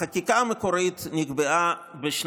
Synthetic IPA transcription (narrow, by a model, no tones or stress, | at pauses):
akikamekoɾit̪niɡbeʔa | beʃn